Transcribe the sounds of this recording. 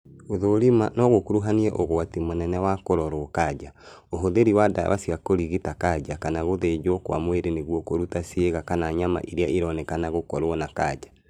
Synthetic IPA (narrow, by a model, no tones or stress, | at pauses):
oðoɾimanɔɣokoɾuɦaniɛʔoɣoatimonɛnɛwakoɾɔɾoːkad͡ʒa | oɦoðeɾiwadaa̰wasiɣakoɾiɣitakad͡ʒakanaɣoðed͡ʒwɔkwa̰mweɾeneɣwɔkoɾutasieɣakanaɲama̰ʔiɾeaeɾɔnɛkanaɣokɔɾwɔnakad͡ʒa